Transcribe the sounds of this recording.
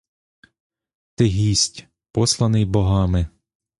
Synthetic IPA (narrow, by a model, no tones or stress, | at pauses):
t̪eɦʲisʲtʲ | pɔslˠɐnɪjbɔɦɑmɪ